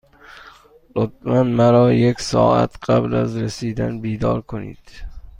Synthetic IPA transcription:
lot̪̚ʰmanmaɾɒjekʲsɒ̰ːa̰t̪qabla̰zɾɪsid̪anbid̪ɒɾkʰonḭd̪̥

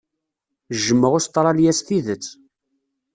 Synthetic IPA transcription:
ʒəmːəʁʊst̪ˤːɾˤɑljæsθiðət͡sː

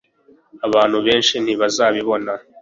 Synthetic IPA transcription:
aβaːn̥huβeːnʃin̥hiβazaːβiβo̞na

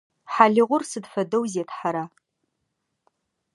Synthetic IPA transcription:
ħaɮɪʁʷʊrsɨdfɐdowziatʰħaɾa

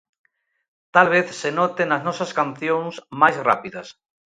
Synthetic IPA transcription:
t̪alβeθsenɔt̪enɐznɔsɐskanθjõŋsmajzra̰piðɐs

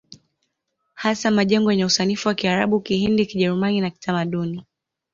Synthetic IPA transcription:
hasamaʄɛŋɡɔjɛɲɛusanifuwakiaɾaɓukihindikiʄɛɾumaninaki̥tʰamaɗuni

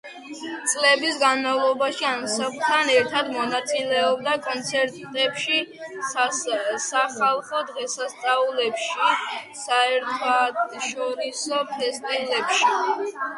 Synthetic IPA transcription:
t̪sʼlɛbisɡanmavlˠɔbaʃiamsapʰt̪ʰːanɛɾt̪ʰad̪mɔnat̪sʼilɛɔb̚d̪akʼɔnt̪sʰɛɾt̪t̪ʼɛpʃi | saχalˠχɔd̪ʁɛsast̪sʼaulɛpʃi | saɛɾt̪ʰɔat̪ʃɔɾisɔpʰɛst̪ʼivlɛpʃi

